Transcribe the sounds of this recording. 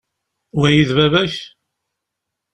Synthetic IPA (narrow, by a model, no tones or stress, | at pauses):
æjiðvævæç